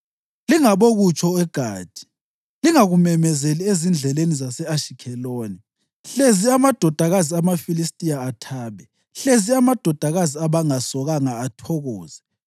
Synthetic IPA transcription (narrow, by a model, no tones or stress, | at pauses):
liŋaβoɣut͡ʃʼʰɔɛɡ̥ʱaːd̥ʱi̥ | liŋaɣumɛmɛzeliezind͡ɮʱɛlenizasɛaʃikʰɛloːni | ɬeziamad̥ʱɔd̥ʱaɣaziamafilistʼijaːtʰaːβɛ | ɬeziamad̥ʱɔd̥ʱaɣaziaβaŋasɔɣaŋaːtʰɔɣɔːz̥ɛ